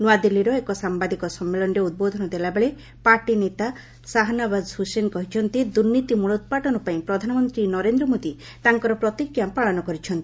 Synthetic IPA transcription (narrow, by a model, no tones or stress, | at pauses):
noad̪ilːiɾɔekɔsambad̪ʱikɔsɔmːelɔnɔɾeud̪̚bod̪ʱɔnɔd̪elabeɭe | paɾʈinet̪a | saɦanabazɦusenkɔɦit͡ʃʰɔnt̪id̪uɾnit̪imuɭɔt̪paʈɔnɔpaĩpɾɔd̪ʱanɔmɔnt̪ɾinɔɾend̪ɾɔmod̪i | t̪aŋkɔɾɔpɾɔt̪ikjapaɭɔnɔkɔɾit͡ʃʰɔnt̪i